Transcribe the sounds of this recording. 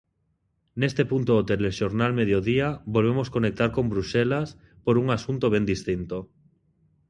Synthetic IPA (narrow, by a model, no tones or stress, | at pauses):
nest̪epunt̪oot̪eleʃoɾnalmeðjoðiabolβ̞emoskonek̚t̪aɾkõmbɾuʃelas | poɾuŋasunt̪oβ̞end̪ist̪int̪o